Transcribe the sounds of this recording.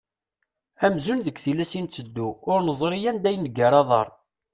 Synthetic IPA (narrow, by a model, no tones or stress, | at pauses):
æmzunðəɡθilæsint͡sːəd̪ːuʊɾnəzˤɾˤijænd̪æjnɡaɾˤɑðˤɑ̰ɾˤ